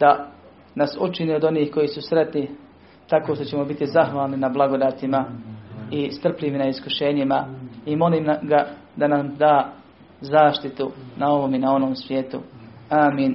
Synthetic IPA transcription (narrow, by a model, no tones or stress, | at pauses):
d̪̥a | nasut͡ʃinio̞d̪o̞niːhko̞jisusɾe̞t̪ni | t̪akoːʃt̪o̞t͡ɕe̞mo̞bit̪izaxʋaːlˠninablˠaɡod̪aːt̪ima | ist̪r̩pʎiʋinaiskuʃe̞ːɲimaimo̞liːmɡa | d̪anamd̪aː | zaːʃt̪it̪unao̞ʋo̞minao̞no̞ːmsʋʲjeːt̪uaːmiːn